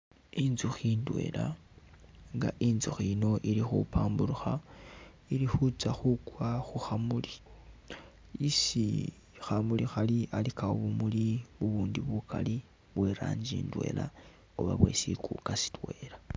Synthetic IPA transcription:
inzuxiːndwe̞̰ːla | ŋɡa̰ʔinzuxino̞ʔilixṵpaːmbuɾuxa | ilixut͡saxukwaxuxamuli̥ | isi | xamulixaliʔalikaoβumuliuβuːndiβukʰa̰li | βweɾa̰ːɲd͡ʒḭːndwe̞̰ːla̰ | oβaβwe̞̰sikukasi̥twe̞ːɾa

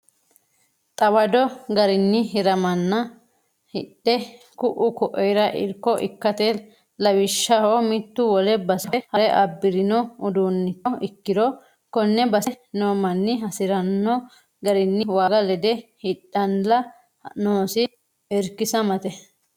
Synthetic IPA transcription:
t̪ʼɐwɐd̪ɔɡɐɾɪnːɪɦɪɾɐmɐnːɐ | hɪtːɛ | kʊʔʊkɔʔɔjɾɐʔɪ̰ɾkːɔʔɪkːɐt̪ɛ | lɐwɪʃːɐhomɪt̪ːʊwɔlɛbɐsɐɛhɐɾɛʔɐbːɪɾɪnɔʊd̪unːɪɔʔɪkːɪd̪ɔ | kɔnːɛbɐs | noːmɐnːɪɦɐsɪɾɐnːɔ | ɡɐɾɪnːɪwaːɡɐlɛd̪ɛhɪɗːɐnlɐ | noːsɪ | ɛɾkːɪsɐmɐt̪ɛ

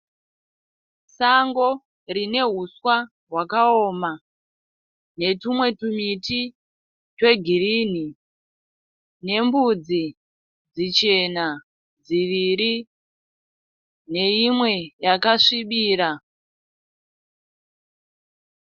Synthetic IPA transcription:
saŋɡo̞ | rine̞ɦuswa | ɦwakaoːma | ne̞tumwe̞tumiti | twe̞ɡʱiriːni | ne̞mbud͡zi | d͡zit͡ʃe̞na | d͡ziʋiɾi | ne̞imwe̞jakaʂiɓiːɾa

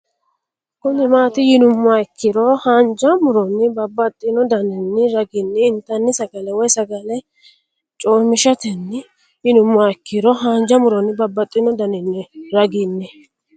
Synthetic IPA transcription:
kʊnɪmaːt̪ɪjɪnʊmːʊaɪkːɪɾɔhand͡ʒɐmʊɾɔnːɪbɐbːɐt̪ʼːɪnɔd̪ɐnɪnːɪɾɐɡɪnːɛɪnt̪ːɐnːɪsɐɡɐlɛwɔjsɐɡɐlɛ | t͡ʃʼoːmɪʃɐt̪ɛnːɪ | jɪnʊmːʊaɪkːɪɾɔɦɐnd͡ʒɐmʊɾɔnːɪbɐbːɐt̪ʼːɪnɔd̪ɐnɪnːɪɾɐɡɪnːɛ

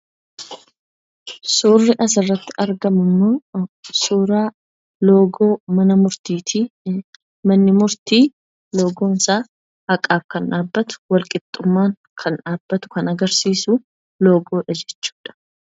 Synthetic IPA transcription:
suːrːɪʔɐs̬ɪrːɐt̪ːɪ̥ʔɐɾɡɐmʊmːo̞ːsuːɾaː | lo̞ːɡo̞ːmɐnɐmʊɾt̪iːt̪ʰiː | mɐnːɪmʊɾt̪iː | lo̞ːɡo̞ːnɪsaː | ɐkʼaːfkɐnᶑaːbːɐt̪ʊ̥wɐlkʼɪt̪ʼːʊmːaːŋ | kʰɐnᶑaːbːɐt̪ʊ̥kɐnɐɡɐɾsiːsu | lo̞ːɡo̞ːᶑɐd͡ʒɛt͡ʃːu̥ːᶑɐ̥

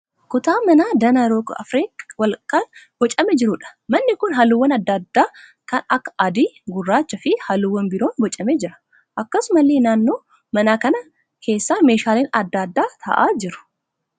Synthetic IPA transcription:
kʊt̪aːmɐnaːd̪ɐnɐɾokɐ̰fɾiːkwɐlkʼanb̥ɔt͡ʃʼɐmɛd͡ʒɪɾʊᶑɐ̥mɐnːɪkʊnɦɐlʊwːɐnɐd̪ːɐd̪ːaː | kɐnɐkːɐ̥ʔɐd̪iːɡʊrːaːt͡ʃːɐfɪhɐlʊwːɐnbɪɾoːnbɔt͡ʃʼɐmɛd͡ʒɪɾɐ̥ | ʔɐkːɐsʊmɐlːeːnaːnːo̞ː | mɐnaːkɐnɐ | kʰe̞ːsːaːme̞ːʃaːleːnɐd̪ːad̪ːaːt̪ʰɐ̰ʔa̰ːd͡ʒɪɾʊ̥

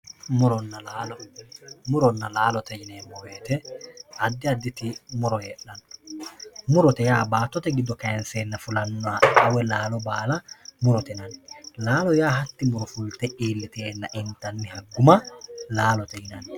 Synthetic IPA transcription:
mʊɾɔnːɐlaːlɔmʊɾɔnːɐlaːlɔt̪ɛjɪneːmːɔweːt̪ɛɐd̪ːɪɐd̪ːɪt̪ɪmʊɾɔjeːᶑɐn | mʊɾɔt̪ɛjaːbaːt̪ːɔt̪ɛɡɪd̪ːɔkɐjɛnseːnːɐfʊlɐnːɔaʔɐwɛlaːlɔbaːlɐmʊɾɔt̪ɛnɐnlaːlɔjaːɦɐt̪ːɪmʊɾɔfʊlt̪ɛʔiːlːɪt̪eːlːɐʔɪnt̪ɐnːɪhɐɡːʊmɐlaːlɔt̪ɛhɪnɐn

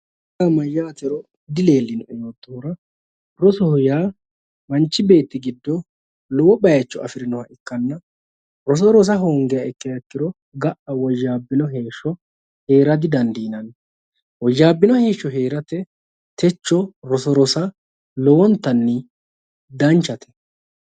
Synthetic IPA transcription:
ɐmɐjːaːt̪ɛɾɔ | d̪ɪle̞ːlːɪnʊʔɛjoːt̪ːoːɾɐ | ɾɔsɔhɔjaː | mɐnt͡ʃːɪbe̞ːt̪ːɪɡɪd̪ːɔ | lɔwɔbɐjt͡ʃːɔɐ̰fɪɾɪnɔhɐʔɪkːɐnːɐ | ɾɔs̬ɔɾɔs̬ɐɦoːŋɡɛjɐɛkːɛjɐkːɪɾɔ | ɡɐʔɐwɔʒːaːbːɪnɔɦe̞ːʃːɔ | he̞ːɾɐd̪ɪd̪ɐnd̪iːnɐn | wɔʒːaːbːɪnɔhe̞ːʃːɔɦe̞ːɾɐt̪ɛ | t̪ɛt͡ʃːɔɾɔsɔɾɔsɐ | lɔwɔnt̪ːɐnːɪ | d̪ɐnt͡ʃːɐt̪ʰɛ̥

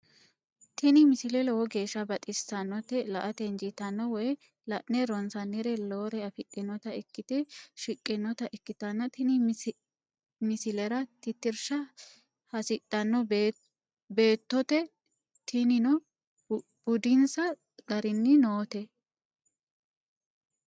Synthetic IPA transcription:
t̪ɪnɪmɪsɪlɛlɔwɔɡe̞ːʃːɐbɐt̪ʼɪsɐnːɔt̪ɛlɐʔɐt̪ɛnd͡ʒɪt̪ɐnːɔwɔj | lɐʔnɛɾɔnsɐnːɪɾɛloːɾɛɐfɪt̪ʼːɪnɔt̪ɐɪkːɪt̪ɛʃɪkʼːɪnːɔt̪ɐʔɪkːɪt̪ɐnːɐt̪ɪnɪ | mɪsɪlɛɾɐt̪ɪt̪ːɪɾʃɐ | hɐsɪt̪ʼːɐnːɔb | be̞ːt̪ːɔt̪ɛ | t̪ʰɪnɪnɔ | b̥ʊd̪ɪnsɐ | ɡɐɾɪnːɪnoːt̪ɛ

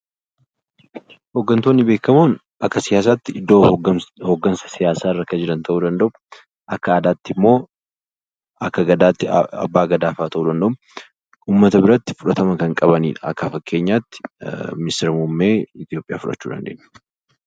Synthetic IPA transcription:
hoːɡːɐnt̪oːnːɪbeːkːɐmuːn | ʔɐkːɐsɪjaːs̬aːt̪ːɪɪd̪ːoːhoːɡːɐnsɐ̥sɪjaːsaːɪrːɐkɐd͡ʒɪɾɐnt̪ʰɐʔuːd̪ɐnd̪ɐʔʊ̥ | ʔɐkːɐaːd̪aːt̪ːɪmːo̞ː | ɐkːɐɡɐd̪aːt̪ːɪɐ̰bːaːɡɐd̪aːfaːt̪ɐʔuːd̪ɐnd̪ɐʔʊm | uːmːɐt̪ɐbɪɾɐt̪ːɪ̥fʊᶑɐt̪ɐmɐkɐŋkʼɐbɐnḭːᶑɐɐkːɐfɐkʰːe̞ːɲːaːt̪ːɪ̥mɪst̪ɪɾmumːeːɪt̪ɪjo̞ːpʼɪjaːfʊᶑɐ̰t͡ʃːuːd̪ɐ̰nd̪ḛːnːɐ̥

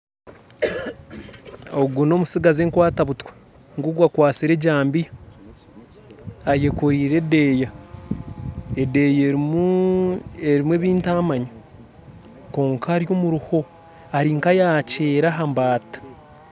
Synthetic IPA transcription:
o̞ɡuno̞ːmusiɡazeːŋkwaːtaβutwe̥ | ŋɡuɡwakwaːt͡siɾe̞ɟaːmbija | aje̞koɾiːɾe̞deːja | ede̞ːje | eɾimwe̞ːβiːntaːmaɲa | ko̞ːŋkʰaːɾjo̞ːmuɾuho̞ | aɾiŋkajaːce̞ːɾaɦambaːtḁ

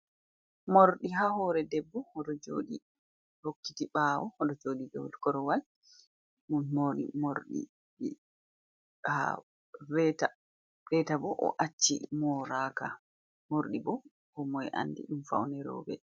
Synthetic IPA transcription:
moɾɗiɦahɔɾɛdɛbːɔhɔɗɔd͡ʒo̰ːɗi | hokːitiɓaːwɔhɔɗɔd͡ʒoːɗidɔ̰wlkɔɾɔwal | munmoːɾḭmoɾɗḭ | ɗi | ha̰ | ɾɛta | ɾɛtabɔʔɔ̰ʔat͡ʃːimɔɾaka̰ | moɾɗibɔ | kɔmɔɛʔa̰ndḭɗumfa̰wnɛɾɔ̰ːbɛ̰

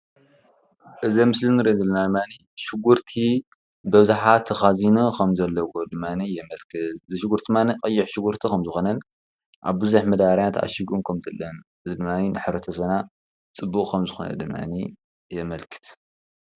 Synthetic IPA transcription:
ʔɨzɐmɨslinɨɾezɐlːɐnad̪ɨmːani | ʃɪɡuɾt̪ʰi | bɐβzaħat̪ʰːɐxazinukʰɐmzɐlːɐwod̪ɨmːanijɛmɐlkʰɨzɨʃɪɡuɾt̪ʰimaniqʼɨjːɪħʃɪɡuɾt̪ʰikʰɐmzɨxonɐn | ʔa̰βbɨzuħmɐd̪aɾjat̪ʰʔa̰ʃiɡunkʰɐmt̪ʰɨlːɐn | ɨzid̪ɨmːaninɨħɨɾɐt̪ʰɐs̬ɐna | t͡sʼɨbːukʼkʰɐmzɨxonɐ̰d̪ɨmːa̰ni | jɛmɐlkʰɨ̥t̪

